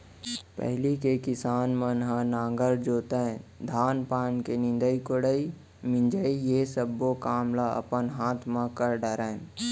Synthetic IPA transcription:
pɛ̰ɦlikekɪsaːnmə̃nɦãnãːŋɡəɾd͡ʒoːt̪ẽd̪ʱaːnpaːnkenɪ̃nd̪əikoɽəi | mɪ̃nd͡ʒəijesəbːokaːmlaə̰pənɦaːt̪ʰmãkəɾɖəɾə̃

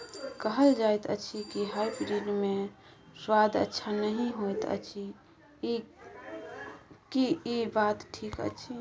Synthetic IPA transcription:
kəɦəld͡ʒaet̪ə̰t͡ʃʰikiɦajpɾiɖme | sad̪ə̰tːʃʰanəɦĩɦojt̪ə̰t͡ʃʰi | kiibat̪ʈʰikə̰t͡ʃʰi

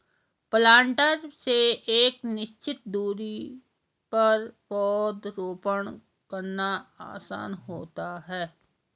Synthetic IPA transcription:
plãːɳʈəɾseeːknɪʃt͡ʃɪt̪̚d̪uːɾi | pɐɾbɔːt̪ɾoːpəɳ | kəɾnaa̰ːsa̰ːnɦoːt̪aɦɛː

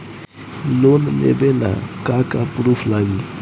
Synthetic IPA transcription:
lonnḛbela̰kakapɾupʰlaɡi

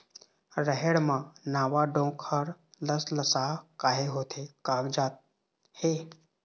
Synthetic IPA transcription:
ɾəɦeɽmãnaːʋaɖõːkʰəɾləsləsakaːɦeɦoːt̪ʰekaːɡd͡ʒaːt̪̚ | heː

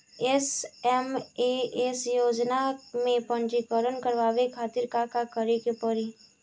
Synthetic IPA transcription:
ɛsɛmeesjoːd͡ʒnamẽpə̃nd͡ʒikəɾənkəɾʋaːʋekʰaːt̪ɪɾkakakəɾekepəɾi

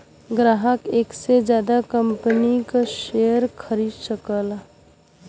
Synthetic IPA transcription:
ɡɾaːɦəkeːksed͡ʒjaːd̪akə̃mpənikaʃejəɾkʰəɾiːd̪səkəl

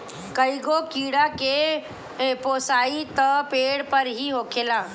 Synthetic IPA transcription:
kəiɡokiːɽake | poːsaːit̪əpeːɽpəɾɦiɦoːkʰeːlaː

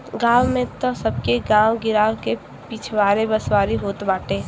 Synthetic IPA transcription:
ɡaːwmẽt̪osəb̚keɡãːwɡɪɾaːwke | piːt͡ʃʰʋaːɾebəswaːɾiɦoːt̪baːʈeː

